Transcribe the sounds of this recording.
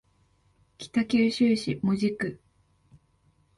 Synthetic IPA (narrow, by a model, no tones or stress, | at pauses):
kʲi̥t̪akʲɨːɕɨːɕimoʑikɯ